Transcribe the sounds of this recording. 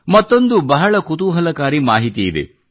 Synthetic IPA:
mɐt̪ːond̪ubɐɦɐɭɐkut̪uːɦɐlɐkaːɾimaːɦit̪iːd̪ḛ

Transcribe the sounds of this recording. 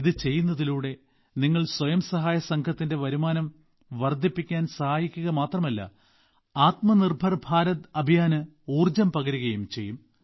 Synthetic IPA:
iðɨt͡ɕe̞jːunːɐðiluːɽe̞ | niŋːɐɭswɐjɐmsɐɦaːjɐsɐŋkʰɐt̪ːinde̞ʋɐɾumaːnɐm | ʋɐrd̪ʱipːikʲːaːnsɐhaːjikʲːuɣɐmaːt̪rɐmɐlːɐ̰ | aːt̪mɐnirbʱɐrbʱaːɾɐðɐbʱijaːnɨ | uːrd͡ʑɐmpɐɣɐɾiɣɐjumt͡ɕe̞jːum

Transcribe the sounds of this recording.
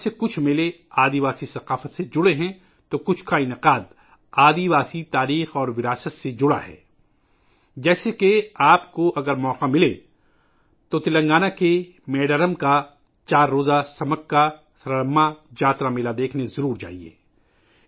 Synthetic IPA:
sekʊt͡ʃʰmɪle | aːd̪iʋaːsisɐqaːfət̪sed͡ʒʊɽeɦɛ̃ | t̪okʊt͡ʃʰkaɪnɪqaːd̪ | aːd̪iʋaːsit̪aːɾiːxɔːɾʋɪɾaːsət̪sed͡ʒʊɽa̰ɦɛ̰ː | d͡ʒɛːsekeaːpkoʔɐɡəɾmɔːqamɪle | t̪ot̪ɪlə̃ŋɡaːnake | mɛːɖəɾəmka | t͡ʃaːɾːoːzasɐməkka | sɐɾələmːad͡ʒaːt̪ɾamɪlad̪eːkʰnezɐɾuːɾd͡ʒa̰ːɦiḛː

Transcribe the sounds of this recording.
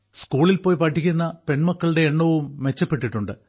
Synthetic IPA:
skuːɭilpo̞ːjpɐʈʰːikʲːunːɐpe̞ɳmɐkːɐɭɨɽe̞ːɳːɐʋumːe̞t͡ɕːɐpːe̞ʈːiʈːuɳɖɨ

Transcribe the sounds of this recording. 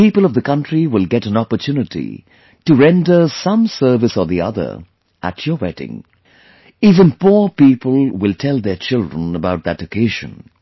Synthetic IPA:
pipəl̩ˠʌvðəkʰʌ̃ntɹ̥iwɪlˠɡɛɾə̃nɑpə˞tʰʉnɨtḭ | tɨɹɛ̃ndə˞sʌ̃msɜ˞vɨsəðiʌ̰ðə̰˞ | ʔæ̰t͡ʃʰə˞wɛɾɪ̰̃ŋ | iːvə̃npuɹpipəlˠwɪlˠtʰɛlˠðə˞t͡ʃʰɪlˠdɹə̃nəbaʊt̪̚ðɨtəkʰeɪʒɨ̰̃n

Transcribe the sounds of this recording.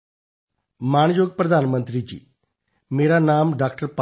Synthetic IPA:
maːɳ̃joːɡ̚pɾəd̪ʱaːnmənt̪ɾid͡ʑḭː | meːɾanaːmɖaːkʈəɾp

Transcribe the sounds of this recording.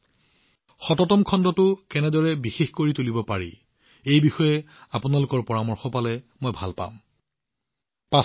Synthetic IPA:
xɔtɔtɔmkʰɔndɔtʊkɛnɛdɔɹɛbixexkoɹitulibɔpaɹḭ | ejbixɔjɛ | apʊnalʊkɔɹpɔɹamɔɹxɔpalɛmojbʱalpa̰m | pa

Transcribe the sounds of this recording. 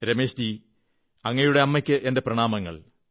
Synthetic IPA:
ɾemeːɕti | ɐŋːɐjuɽe̞ɐmːɐkʲːɨʔe̞nde̞prɐɳaːmɐŋːɐ̰ɭ

